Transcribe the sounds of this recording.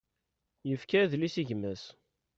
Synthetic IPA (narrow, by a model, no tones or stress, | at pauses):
jəfkæðlisiʝmæs